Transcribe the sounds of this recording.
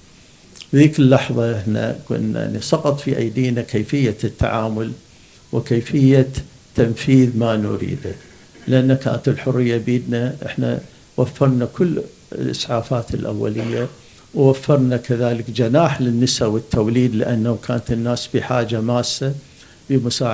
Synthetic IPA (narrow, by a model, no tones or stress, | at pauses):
ðiːkɪlːɑħðˤɑʔɪħna̰kʊ̰nːa̰ʕnisˤɑqɑt̪ˤfiʔa̰jd̪iːnakeːfɪjːat̪ːa̰ʕaːmʊl | wɪkeːfɪjːa | t̪ːamfiːðmanʊ̰ɾḭːd̪a | lɪʔanːaka̰ːnat̪ɪlħʊrːɪjːabiːd̪naʔɪ̰ħna̰ | wafːɑɾˤnakʊl̰ː | lʔɪ̰sʕaːfaːt̪ɪlʔa̰wːa̰lɪjːa | wwafːɑɾˤnakaðaːlɪkd͡ʒanaːħlɪnːɪsawɪt̪ːawliːd̪lɪʔanːawkʰaːnat̪ɪnːaːsbiħaːd͡ʒamaːsːa | bəmʊsaːʕ